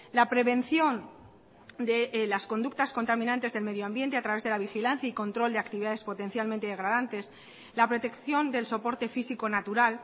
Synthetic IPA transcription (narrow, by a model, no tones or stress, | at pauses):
lapɾe̞βẽ̞n̟θjo̞n | d̪elasko̞nd̪uk̚t̪asko̞nt̪amĩnãnt̪e̞zðe̞lme̞ðjoambjent̪e̞at̪ɾaβe̞zð̞e̞laβ̞ixilanθjaiko̞nt̪ɾo̞ld̪e̞akt̪iβiðaðe̞spo̞t̪e̞n̟θjalmẽnt̪eðeɣɾaðant̪e̞s | lapɾo̞t̪e̞kθjo̞nd̪e̞lso̞po̞ɾt̪e̞fisiko̞nat̪uɾal